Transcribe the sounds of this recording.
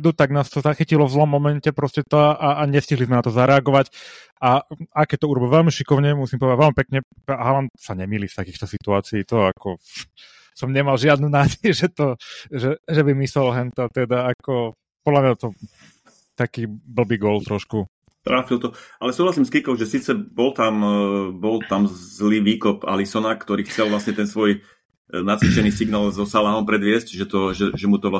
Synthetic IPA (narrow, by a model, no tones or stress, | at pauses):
d̪ut̪aɡnaːst̪ɔzaxicilɔvzlɔmːɔmɛncɛpɾɔscɛt̪ɔʔaɲɛsciɦlizmɛnat̪ɔzaɾɛaɡɔʋac | aakɛt̪ɔuɾɔbilʋɛlmiʃikɔʊɲɛmusimpɔʋɛd̪aʋɛlmipɛkɲɛ | pɦalansaɲɛmiːlift̪akiːxt̪ɔsit̪uaːt͡siːt̪ɔakɔ | sɔmɲɛmalʒɪad̪nunaːɟɛjʒɛt̪ɔʒɛʒɛbimisɛlɦɛnt̪ɔt̪ɛd̪aakɔ | pɔd̪lamɲat̪ɔ | t̪akiːbl̩biːɡɔlt̪ɾɔʃku | t̪ɾaːfilt̪ɔalɛsuːɦlasiːmskikɔʊʒɛsiːt͡sɛbɔlt̪ambɔlt̪amzliːʋiːkɔpa̰lisɔnakt̪ɔɾiːxt͡sɛlʋlasɲɛt̪ɛnsʋɔj | nat͡sʋit͡ʃɛniːsiɡnaːlzɔsalaːnɔmpɾɛd̪ʋɪɛscʒɛt̪ɔʒɛʒɛmut̪ɔʋla